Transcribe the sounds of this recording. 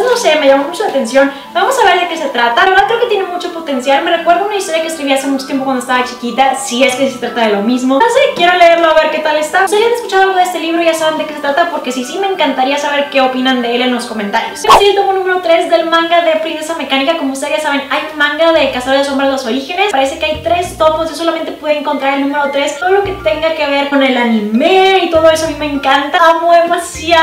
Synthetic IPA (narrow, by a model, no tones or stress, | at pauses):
no̞se̞meʝamomut͡ʃo̞lat̪e̞nsjo̞n | bamo̞saβe̞ɾðe̞ke̞se̞t̪ɾat̪aɾðakɾe̞oket̪je̞nemut͡ʃo̞po̞t̪e̞nsjalme̞re̞kwe̞ɾðounaist̪oɾjakeːskɾiβiase̞mut͡ʃot̪jepokwand̪oest̪aβat͡ʃikit̪asie̞skesiset̪ɾat̪aðelo̞mizmo̞sekje̞ɾo̞leeɾloaβe̞ɾke̞t̪ale̞st̪ase̞janesku̥t͡ʃaðoalɣoest̪e̞liβ̞ɾoiʝasaβend̪ekese̞t̪ɾat̪apo̞ɾke̞sisime̞ːŋkant̪aɾiasaβe̞ɾke̞o̞pinand̪e̞elenlo̞sko̞me̞nt̪aɾjo̞semosielt̪omonũme̞ɾo̞t̪ɾe̞zðe̞lmãŋɡaðepɾiðesame̞kanikako̞moust̪ejasaβe̞najunmãŋɡaðe̞kasaoeso̞mbɾaðeloso̞ɾixe̞ne̞spaɾe̞se̞keajt̪ɾe̞st̪o̞posʝosolament̪eweðeeŋko̞nt̪ɾaɾelnũme̞ɾot̪ɾe̞st̪oðoloke̞t̪e̞ŋɡake̞β̞e̞ɾko̞ne̞lanĩmeit̪o̞ð̞o̞e̞soamimeːŋkant̪aamoemasia